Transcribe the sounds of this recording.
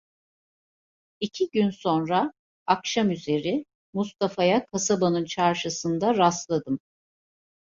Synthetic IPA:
icʰiɟynso̞nɾaː | kʃamyze̞ɾɪ | must̪afajakʰasabanɯnt͡ʃʰaɾʃɯsɯnd̪aɾast̪lˠad̪ɯm

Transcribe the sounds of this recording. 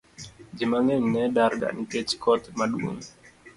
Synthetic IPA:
d͡ʒimaŋɛɲnɛdaɾɡa̰nitet͡ʃkɔt̪maɗuo̰ŋ

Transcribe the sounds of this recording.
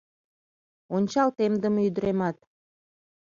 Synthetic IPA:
onʲt͡ɕɑlt̪emd̪ə̆myd̪əɾemɑt̪̚

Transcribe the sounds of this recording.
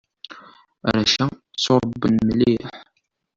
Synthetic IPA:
ɾæʃæt͡sːoɾˤbːənmliħ

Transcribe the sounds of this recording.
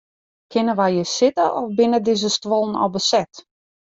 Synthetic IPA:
kʰɪnəʋajjəsɪtəʔɔfbɪnədɪzəstʋolˠn̩ɔ̰lˠbəsɛt

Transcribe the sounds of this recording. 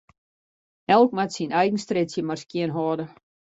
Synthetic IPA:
ʔɛlˠkmatsinʔɛjɣən̩strɪtsjəmarskiənɦɔːdə

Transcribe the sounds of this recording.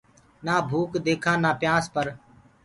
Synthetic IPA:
naːbʱuːkd̪eːkʰãːnãːpɪjãːspəɾ

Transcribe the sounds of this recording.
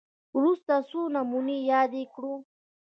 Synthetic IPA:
ɾʊst̪asunamʊnijaːd̪ekɽu

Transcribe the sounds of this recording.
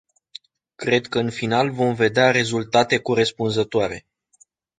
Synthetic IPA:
kɾe̞d̪kəɨnfinalvo̞mve̞d̪eaɾe̞zult̪at̪e̞kuɾespunzət̪oaɾe̞̰

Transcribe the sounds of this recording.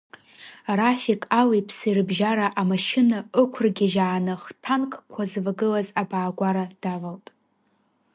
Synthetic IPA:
raχʲikʼawipʰsijrɨbʒaɾaʔamaʃɪnaɨkʷʰʊrɡʲaʒaːnɨχtʰankʼkʷʰazvaɡɨlazabaːɡʷaɾad̥avaltʼ

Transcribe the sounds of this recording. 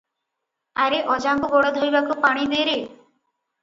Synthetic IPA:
aɾeʔɔd͡ʒamkubɔɽɔd̪ʱojbakupaɽ̃id̪eɾe

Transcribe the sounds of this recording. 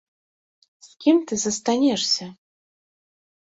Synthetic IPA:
sʲkʲimt̪ɨzɐst̪anʲɛʂsʲɐ

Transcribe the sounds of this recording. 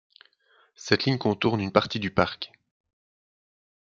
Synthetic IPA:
sɛt̪liɲkɔ̃t̪uʁnynpaʁt̪id̪ypaʁk

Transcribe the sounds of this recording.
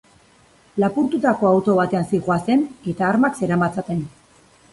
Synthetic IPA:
lapuɾt̪ut̪ako̞awt̪o̞β̞at̪e̞ansiɣoase̞ne̞t̪aːɾmakse̞ɾamat͡sat̪e̞n

